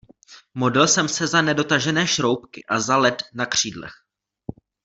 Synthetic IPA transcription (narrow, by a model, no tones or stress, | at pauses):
mo̞dɪlsɛmsɛzanɛdo̞t̪aʒɛnɛːʃɾo̞wpkɪ̰ʔazalɛt̪nakr̝̥iːdlɛ̰x